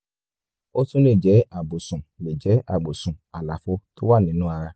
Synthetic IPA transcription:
o˦tũ˦le˦˨d͡ʒɛ˨˦a˦˨ɡ͡bo˨sũ˨le˨d͡ʒɛ˨˦a˦˨ɡ͡bo˨sũ˨a˨la˨fo˧˦to˦wa˦˨nĩ˨˦nũ˦a˧ɾa˧

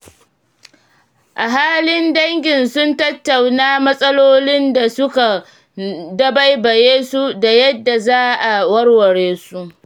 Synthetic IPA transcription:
ʔa˨ɦaː˦lɪ˦ndɐ˦ŋɡʲɪ˨nsʊ˦ntɐ˦tːa˨wnaː˦mɐ˦sʼɐ˦loː˦lɪ˦nda˨sʊ˦ka˨ | dɐ˦ba˦jbɐ˨jeː˦su˦da˨jɐ˦dːa˨zaː˦ʔa˨wɐ˦rwɐ˨ɽeː˦su˦ʔ

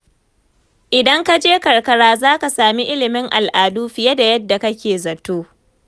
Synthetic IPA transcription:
ʔɪ˨dɐ˦ŋka˦d͡ʒeː˦kɐ˨ɽkɐ˨ɽaː˦zaː˦ka˨saː˨mi˦ʔɪ˦lɪ˨mɪ˦ŋʔa̰˨lʔaː˨duː˦ɸɪ˨jɐ˦da˨jɐ˦dːa˨kɐ˦kʲeː˨zɐ˨tːoː˦

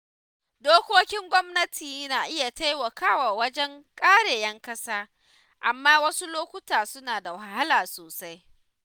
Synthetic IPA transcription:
doː˦kʷoː˦kʲɪ˦ŋɡʷɔ˦mnɐ˦tʰiː˨˦naː˨ʔɪ˦ja˨ta˦jwɐ˨kaː˦waː˨wɐ˦d͡ʒɛ˦ŋkʼaː˦ɽeː˨jɛ˦ŋkɐ˦saː˦ | ʔa˨mːaː˦wɐ˦su˦loː˦kʷʊ˦taː˨sʊ˦naː˨da˨wa˦˨ha˦laː˨soː˨sa˦j

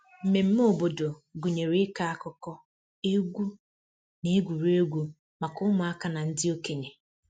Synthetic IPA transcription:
m̩˨me˨m̩˦mo˦˨bo˨do˨ɡu˨ɲe˨ɾi˦ka˦a˦kɔ˦kɔ˦ | e˦ɡʷu˦ | ne˦e˦ɡʷu˨ɾe˦ɡʷu˦ | ma˨kʊ˦mʊ˨a˦ka˦na˨n̩˦dɪ˦o˦ke˨ɲe˨

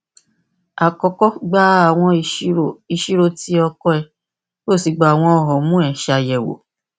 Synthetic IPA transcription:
a˨kɔ˧kɔ˦ɡ͡ba˦a˦˨w̃ɔ̃˧˦o˨i˧ʃi˦ɾo˦ti˧˦ɔ˧kɔ˦ɛ˧˨ | jo˦˨si˧ɡ͡ba˨a˨w̃ɔ̃˧ɔ˧˨ɦɔ˨mũ˦ɛ˨ʃa˧jɛ˨wo̰˨

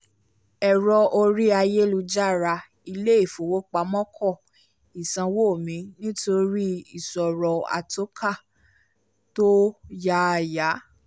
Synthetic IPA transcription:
ɛ˨ɾɔ˧ʔo˧ɾi˦a˧je˦lu˧d͡ʒa˦˨ɾa˧ | i˧le˦i˦˨fo˨wo˦k͡pa˨˦mɔ̃˦kʰɔ˦˨ | i˨sã˧wo˦˨mĩ˨˧˦nĩ˦to˧ɾi˦i˨sɔ˨ɾɔ˧a̰˨to˨˦kʰa˦˨ | to˦ja˦˨ja˨˦

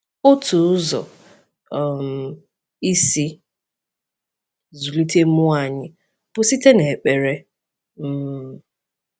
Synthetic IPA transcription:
o˦tʰu˨ʊ˦zɔ̰˨ | m˨ | i˦si˦ | zu˨li˦tʰe˦ʊ˦a˨ɲɪ˦ | b̥ʊ˨si˦te˦ne˨k͡pe˨ɾe˦ | m̩˦˨

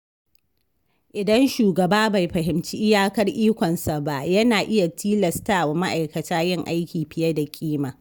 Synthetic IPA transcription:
ʔɪ˨dɐ˦nʃuː˨ɡɐ˨baː˦ba˨jɸɐ˨ɦɪ˨mt͡ʃi˦ʔɪ˦jaː˦kɐ˦rʔiː˦kʷɔ˨nsa˨ba˦˨ʔjɐ˦naː˨ʔɪ˦ja˨tʰiː˦lɐ˨staː˦˨wa˨ma˦ʔa˨jkɐ˨taː˦jɪ˦ŋʔa˦jkʲiː˨ɸɪ˨jɐ˦da˨kʲʼiː˦maː˨

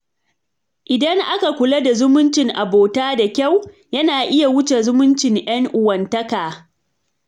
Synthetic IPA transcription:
ʔɪ˨dɐ˦ŋʔa˦ka˨kʷʊ˨la˦da˨zʊ˦mʊ˦nt͡ʃɪ˨ŋʔa˨boː˨taː˦da˨kʲa˦˨w | jɐ˦naː˨ʔɪ˦ja˨wʊ˦t͡ʃe˨zʊ˦mʊ˦nt͡ʃɪ˨ŋʔj̰ɐ˦ŋʔʊ˨wɐ˨ntɐ˦kaː˨

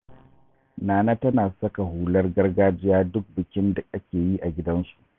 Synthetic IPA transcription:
naː˨naː˦tɐ˦naː˨sɐ˦ka˨ɦuː˨lɐ˦rɡɐ˦rɡaː˦d͡ʒɪ˦jaː˦dʊ˦k̚bɪ˨kʲɪ˦nda˨ʔa˦kʲeː˨ji˦ʔa˨ɡʲɪ˦dɐ˦nsu̥˨ʔʔ

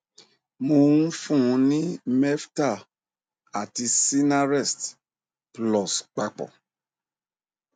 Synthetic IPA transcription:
mo˧ŋũ˦fũ˦˨˧nĩ˦mɛ˦fta˦˨ | a˨ti˧si˦na˦ɾɛ˦˨st | plɔ˨sk͡pa˧k͡pɔ̰˨

